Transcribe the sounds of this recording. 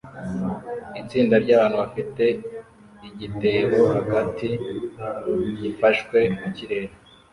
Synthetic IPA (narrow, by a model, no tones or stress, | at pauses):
it͡siːndaɾɟaːβaːnhuβafite̞ | iɟite̞ɾohaɡatʰi | ɟifaʃkwe̞muciɾe̞ɾe